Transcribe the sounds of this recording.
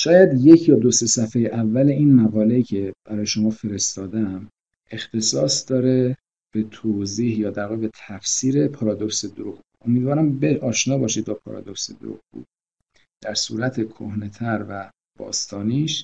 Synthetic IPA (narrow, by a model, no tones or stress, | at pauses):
ʃɒːjæd̪je̞cʰjɒːd̪ose̞sæfejeʔævːæle̞iːnmæɣɒːle̞iːcʰe̞b̥æɾɒːjeʃo̞mɒːfe̞ɾe̞st̪ɒːd̪æm | e̞xt̪ʰe̞sɒːsd̪ɒːɾe̞ | b̥e̞t̪ʰoːziːhjɒːd̪æɾɣibet̪ʰæfsiːɾe̞pʰɒɾɒːd̪oksed̪oɾuɣuʔomiːd̪vɒːɾæmbeɒːʃnɒːbɒːʃiːd̪̚bɒːpʰɒ̰ːɾɒ̰d̪oksed̪o̰ɾṵɣbṵd̪̥̚ | d̪̥æɾsuːɾæt̪ʰekʰohne̞t̪ʰæɾvæ | b̥ɒ̰ːst̪ʰɒːniːʃ